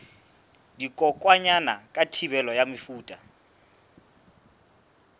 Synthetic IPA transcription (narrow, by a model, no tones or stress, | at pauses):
dikʼɔkʼwaɲanakʼatʰiβɛlɔjamɪfuːtʼa